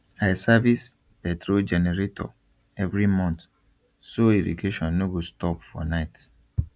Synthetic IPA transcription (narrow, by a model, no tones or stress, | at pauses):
asavis | pɛtɾod͡ʒɛnɛɹetʰɔ̰ | ɛvɹimɔ̃nt | soedḭɡeʃɔ̃nːoɡostɔpfɔ̰naɪt